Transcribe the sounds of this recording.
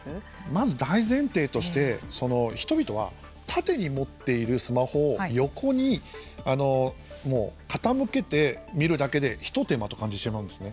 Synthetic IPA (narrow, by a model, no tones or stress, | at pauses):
mazɨd̪aizẽ̞nt̪e̞ːt̪o̞ɕi̥t̪e̞so̞no̞çi̥t̪o̞bʲit̪o̞βa̰ | t̪ʰat̪e̞ɲ̟imo̞t̪ːe̞iɾɯ̟sɨmaho̞jo̞kʰo̞ɲ̟iano̞mo̰ːkat̪amɯ̟ke̞t̪e̞mʲiɾɯ̟d̪ake̞d̪e̞çi̥t̪o̞t̪e̞mat̪o̞̥kãɲ̟d͡ʑieɕimaɯ̟̃nd̪e̞sɨne